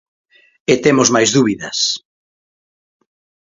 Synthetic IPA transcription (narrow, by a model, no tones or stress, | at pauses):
et̪emozmajzðuβiðɐs